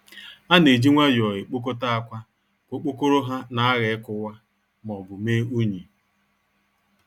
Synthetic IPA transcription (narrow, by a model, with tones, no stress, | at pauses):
a˦ne˨d͡ʒi˦ŋʷa˦d͡ʒɔ˨ɣɪ˨k͡po˦k̬o˦ta˦a˦kʷa˦ | ko˨k͡po˦ko˦ɾo˦ɦa˦na˨˦a˦ɣe˨˦kʊ˦wa˦ | m˨ɔ˨bʊ˨meː˦u˦ɲi˨